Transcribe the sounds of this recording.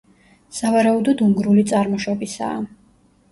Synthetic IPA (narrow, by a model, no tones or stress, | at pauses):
savaɾaud̪ɔd̪umɡɾulit̪sʼaɾmɔʃɔbisa̰ː